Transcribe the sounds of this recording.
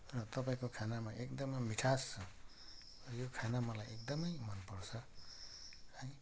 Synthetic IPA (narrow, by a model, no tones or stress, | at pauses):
rʌt̪ʌpaĩkokʰanamaʔekd̪ʌmʌmiʈʰast͡sʰʌ | ʌjokʰanamʌlajekd̪ʌmʌjmʌnpʌrt͡sʰʌ | hʌj